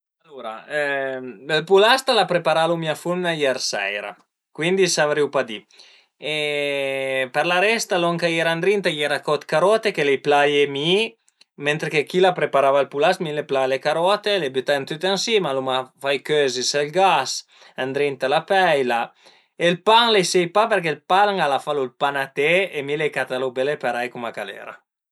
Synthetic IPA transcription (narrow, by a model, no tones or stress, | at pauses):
alːuɾa̰ | elpulast̪alapɾepaɾalumiafunːajɛɾsɛ̰jɾa̰ | kwind̪isavɾiwpad̪i | e | peɾlaɾɛst̪alɔŋkajɛɾand̪ɾint̪ajɛɾakɔt̪kaɾɔt̪ekelejplajem | ment̪ɾekekilapɾepaɾavalpulasmileplalekaɾɔt̪elebyt̪ant̪yt̪ɛnsimalumafajkøziselɡas | and̪ɾint̪alapɛjla | elpaŋlesejpapeɾkelpalaŋalafalulpanat̪eemilekat̪alobelepaɾajkumakalɛ̰ɾa̰